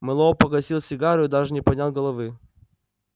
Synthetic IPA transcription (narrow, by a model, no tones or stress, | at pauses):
mɨlˠopɐɡɐsʲilˠsʲɪɡaɾɨʊd̪aʐɨnʲɪpɐnʲalˠɡɐlˠɐvɨ